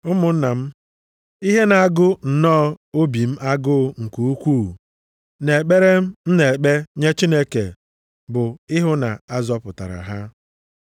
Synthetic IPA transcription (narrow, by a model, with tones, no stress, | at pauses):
ʊ˦mʊ˨n̩˦na˨m̩˦ | i˦ɦe˦na˨a˨ɡʊ˦n̩˨nɔː˦o˦bi˨m̩˦ʔa˦ɡʊ˦˨˦ŋ̩˨ku˨u˦kʷuː˦˨ | ne˨k͡pe˦ɾe˦m̩˦n̩˦ne˨k͡pe˦ɲe˦t͡ʃi˦ne˦ke˨ | bʊ˨ɪ˦ɦʊ˦na̰˨a˦zɔ˦pʊ˨ta̰˨ɾa̰˨ɦa˦